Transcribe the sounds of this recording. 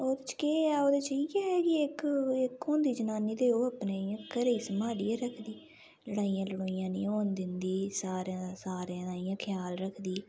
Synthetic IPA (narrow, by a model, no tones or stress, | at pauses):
oːd̪t͡ʃkeːaːoːd̪eːt͡ʃəiɡɛːɛːkiɪkɪkʰːõːnd̪iːd͡ʒənaːniːd̪eːoːəpneːjãːkəɾiːsəmaːɽijãːɾəkʰd̪iː | ləɽaːijãːləɽoːijãːnḭ̃ːoːnd̪ɪnd̪iːsaːɾãsaːɾãaːijãːkʰjaːlɾəkʰd̪iː